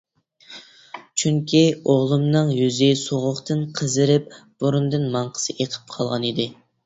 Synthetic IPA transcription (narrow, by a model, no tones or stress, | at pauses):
t͡ʃʰyŋkʲioʁlˠɨmnɨŋjyzɪsoʁʊχt̪ɨnqʰəzɨɾɪp̚b̥uɾund̪ɨnmɑɴqʰə̥sɨʔeqʰə̥p̚qʰɑlˠʁɑnid̪ɪ